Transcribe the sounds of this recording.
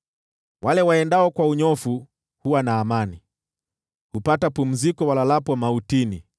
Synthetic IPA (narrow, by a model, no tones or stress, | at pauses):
wʔalɛwaɛndaɔkwauɲɔfu | huwanaːmani | hupatapum̩zikɔwalalapwamautini